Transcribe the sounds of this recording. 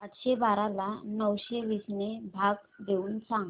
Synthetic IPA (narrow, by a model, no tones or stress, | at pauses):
pat̪ɕebaɾalanəwɕeʋisnebʱaɡd̪ʱeuːnsãŋɡ